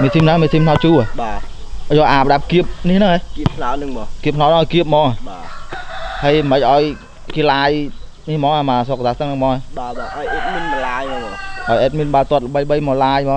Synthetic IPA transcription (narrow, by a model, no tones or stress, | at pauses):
miət̪ʰimnamiət̪ʰiːmp̪ʰnawt͡ɕuəɓaː | jɔʔaːpəɗap̚kiəp̚niəhnɨŋhekiəp̚t̪ʰnanɨŋmɔkiəp̪̚ʰːnawnəŋʔɔːjkiəp̚mɔːŋaɓaː | həjməc̚ʔaɔj | kiːlaːj | niəhmɔːŋʔaːmaːsok̚saːt̪əŋnɨŋmɔːŋaɓaːɓaːʔjʔeːt̪̚miənmɔlaːjmɔmɔʔaɔjʔeːt̪̚miənɓaət̪ŏət̪̚əɓəjɓəjmɔːlaːjmɔː